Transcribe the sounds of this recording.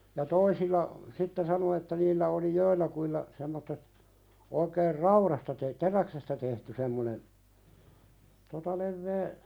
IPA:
jɑ toisilːɑ sitːe sɑno etːæ niːlːæ oli joilːɑkuilːɑ semːotːet oikeːr rɑuɾɑstɑ te teræksestæ tehty semːone totɑ leʋːeː

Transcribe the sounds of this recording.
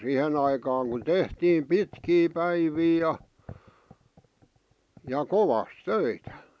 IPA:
sihen ɑikɑːŋ kun tehtiːm pitkiː pæiʋiː jɑ jɑ koʋɑs tøitæ

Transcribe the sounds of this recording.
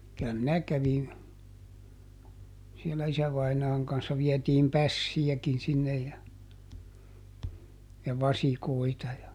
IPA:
kylæ minæ kæʋin sielæ isæʋɑinɑːŋ kɑnsːɑ ʋiɛtiːm pæsːijækin sinːej jɑ jɑ ʋɑsikoitɑ jɑ

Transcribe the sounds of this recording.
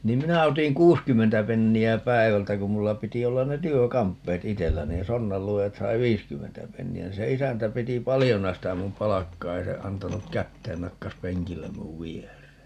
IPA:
niːm minæ otiŋ kuːskymːentæ penːiæ pæi̯ʋæltæ kum mulːɑ piti olːɑn ne tyøkɑmpːeːt itelːæ niːn sonːɑlːuojɑt sɑi ʋiːskymːentæ penːiæ niːn se isæntæ piti pɑlijonɑ sitæ mum pɑlɑkːɑː ei se ɑntɑnuk kætːeːn nɑkːɑs peŋkilːem muʋ ʋierˑeː

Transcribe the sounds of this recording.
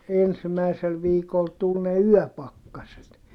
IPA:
ensimæisel ʋiːkol tul ne yœˑpɑkːɑset

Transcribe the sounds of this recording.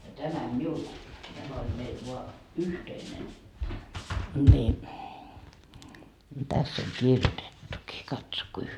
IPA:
tæmæm miul tæmæ olʲ meil ʋoɑ yhteinen nʲi tæsː oŋ kirjotetːuki kɑtso kui

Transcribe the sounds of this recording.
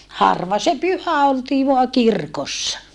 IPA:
hɑrʋɑ se pyhæ oltiː ʋoɑ kirkosːɑ

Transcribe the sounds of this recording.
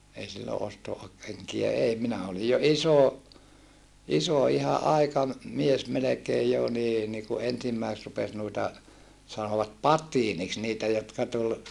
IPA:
ei silːo osto keŋkijæ ei minæ olij jo iso iso ihɑ ʔɑikɑm mies melekeːj jo niː ni ku ensimːæisĕt rupes nuitɑ sɑnoʋɑt pɑtˑiːniks niːtæ jotkɑ tul

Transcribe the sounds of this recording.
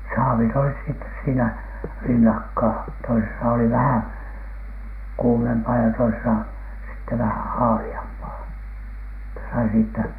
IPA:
sɑːʋit olis sitːes siːnæ rinːɑkːɑː toisesɑ oli ʋæhæŋ kuːmempɑː jɑ toisesɑ sitːe ʋæhæn̞ hɑːliɑmpɑː etːæ sɑi siːtːæ

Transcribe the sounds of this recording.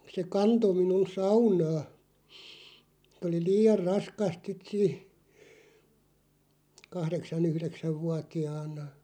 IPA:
se kɑnto minun sɑunɑː oli liːɑr rɑskɑst sit siːh̆ kɑhɾeksɑn yhɾeksæʋ ʋuɑtiɑːnˑɑ

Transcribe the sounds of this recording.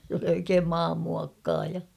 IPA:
s oli oikeːm mɑːmːuɑkːɑːjɑ

